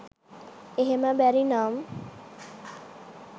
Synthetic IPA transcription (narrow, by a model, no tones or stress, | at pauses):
eɦemabɛɾinam